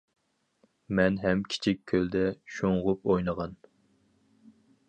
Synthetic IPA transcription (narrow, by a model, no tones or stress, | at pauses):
mɛnɦɛmkʲʰi̥t͡ʃʰik̚ʲʰːøld̪ɛʃoŋʁʊpojnəʁɑn